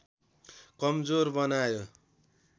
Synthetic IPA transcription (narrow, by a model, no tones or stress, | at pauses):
kʌmd͡zorbʌnajo